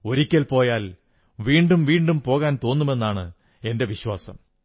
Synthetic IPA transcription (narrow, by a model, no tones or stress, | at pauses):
o̞ɾikʲːɐlpo̞ːjaːl | ʋiːɳɖumʋiːɳɖumpo̞ːɣaːnt̪o̞ːnːume̞nːaːɳɨ̰ | e̞nde̞ʋiɕwaːsɐ̰m